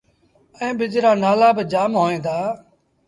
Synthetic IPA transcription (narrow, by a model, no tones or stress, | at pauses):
ɛ̃ːbɪd͡ʒɾaːnaːlaːbɪd͡ʒaːmɦoːẽːd̪aː